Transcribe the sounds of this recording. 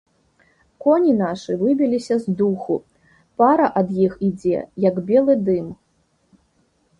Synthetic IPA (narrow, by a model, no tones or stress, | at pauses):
kɔnʲin̪aʂɨvɨbʲilʲisʲɐzd̪uxu | paɾɐʔɐd̪jixid͡zʲɛ̰jɐɡbʲɛlˠɨd̪ɨm